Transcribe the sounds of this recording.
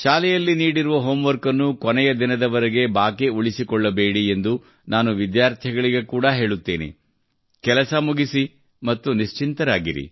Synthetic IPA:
ʃaːlɛjɐlːiniːɽiɾuʋɐɦoːmʋɐɾkɐnːukɔnɛjɐd̪inɐd̪ɐʋɐɾɐɡe̞baːkeuɭisikɔɭːɐbeːɽie̞nd̪u | naːnuʋid̪jaːɾt̪ʰjɐɡɐɭiɡe̞kuːɽɐɦe̞ːɭut̪ːeːnḭ | kɛlɐsɐmuɡisi | mɐt̪ːuniʃt͡ʃint̪ɐɾaːɡiɾḭ

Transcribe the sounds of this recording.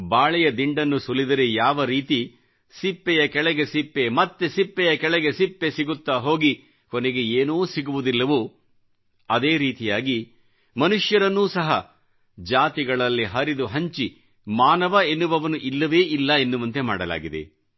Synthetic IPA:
baːɭɛjɐd̪iɳɖɐnːusulːid̪ɐɾejaːʋɐɾiːt̪i | sipːɛjɐkɛɭɛɡe̞sipːe̞mɐt̪ːesipːɛjɐkɛɭɛɡe̞sipːe̞siɡut̪ːaːɦo̞ːɡi | konɛɡe̞eːnuːsiɡuʋud̪ilːɐʋu | ɐd̪eːɾiːt̪ijaːɡi | mɐnuʂjɐɾɐnːuːsɐɦɐ̰ | d͡ʒaːt̪iɡɐɭɐlːiɦɐɾid̪uɦɐɲt͡ʃi | maːnɐʋɐenːuʋɐʋɐnuʔilːɐʋe̞ːʔilːɐenːuʋɐnt̪e̞ma̰ːɽɐla̰ːɡid̪e̞̰

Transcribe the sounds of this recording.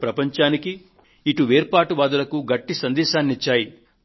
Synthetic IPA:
pɾɐpɐɲt͡ʃaːnikiː | ʈuʋeːɾpaːʈuʋaːd̪ɐlɐkuɡɐʈːisɐnd̪ɛːʃaːnːit͡ʃːaːji

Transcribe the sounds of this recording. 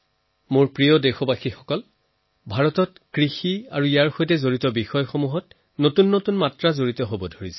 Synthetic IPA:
mʊɹpɹijɔdexɔbaxixɔkɔl | bʱaɹɔtɔt | kɹixia̰ɹuijaɹxojtɛzoɹitɔbixɔjɔxomuɦɔt | notunːotunmatɹazoɹitɔɦobɔdʱoɹisɛ̥

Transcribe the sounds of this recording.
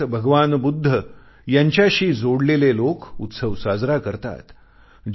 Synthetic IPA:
bʱəɡʋanbud̪ʱːə | jaɲt͡ɕjaɕiːd͡zoɽlelelokṵt̪səʋsad͡zɾakəɾt̪a̰t̪ | d͡ʑ

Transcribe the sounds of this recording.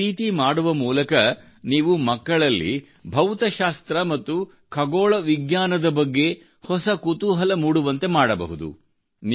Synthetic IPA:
iːt̪imaːɽuʋɐmuːlɐkɐ | niːʋumɐkːɐɭɐlːḭ | bʱɐwt̪ɐʃaːst̪ɾɐmɐt̪ːu | kʰɐɡoːɭɐʋiɡɲaːnɐd̪ɐbɐɡːe̞ | hɔsɐkut̪uːɦɐlɐmuːɽuʋɐnt̪e̞maːɽɐbɐ̰ɦud̪ṵ | n

